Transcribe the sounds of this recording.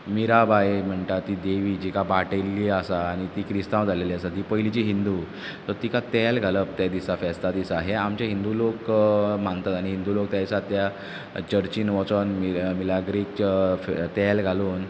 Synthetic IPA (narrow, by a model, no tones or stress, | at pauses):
miɾabajm̤əɳʈat̪iːd̪eʋiːd͡ʑikabaʈelːiasaːɽ̃it̪iːkɾist̪ãwd͡zʱaleliasad̪ipəjlit͡ɕiɦind̪u | t̪əɾt̪ikat̪ɛlɡʱaləp̚t̪jad̪isafɛst̪ad̪isaɦeamt͡ɕaɦind̪ulokmant̪at̪añiɦind̪ulok̚t̪jaisat̪ja | t͡ɕəɾt͡ɕinʋɔ̃t͡sənmimilaɡɾik̚t͡ɕft̪ɛlɡʱaluːn